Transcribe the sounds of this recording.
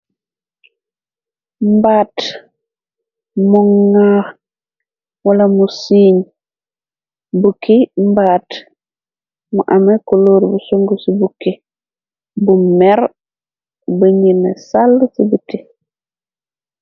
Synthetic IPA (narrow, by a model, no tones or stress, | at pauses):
mbaːt | muŋːa | walamusiːɲ | bukimbaːt | muʔamekuloːɾbusuŋɡusibuki | bumeɾ | bəɲinesalːsibiti